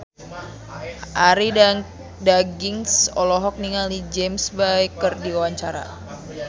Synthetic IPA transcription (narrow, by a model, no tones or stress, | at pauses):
ʔaɾia | daɡiŋsɔlɔɦɔk̚niŋalid͡ʒɛmsbajkərdiawaɲt͡ʃaɾa̰